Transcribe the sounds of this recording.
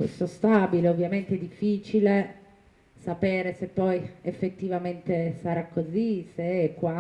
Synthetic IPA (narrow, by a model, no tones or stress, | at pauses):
kwḛst̪ost̪abileovːjament̪eɛd̪ːifːiːt͡ʃile | sapeːɾesepːɔjefːet̪ːivament̪esaɾakːozisekːwa